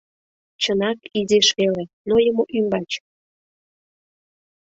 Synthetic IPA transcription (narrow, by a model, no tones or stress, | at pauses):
t͡ɕənɑkizeʃβelenojəmoʔymbɑt͡ɕ